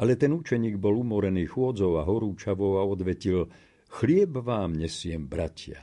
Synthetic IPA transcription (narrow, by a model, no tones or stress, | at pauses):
ʔalɛt̪ɛnut͡ʃɛɲiːɡbɔlumɔɾɛniːxʊɔd͡zɔʊaɦɔɾuːt͡ʃaʋɔʊaɔd̪ʋɛcil | xlɪɛbʋaːmɲɛsɪɛmbɾacɪa̰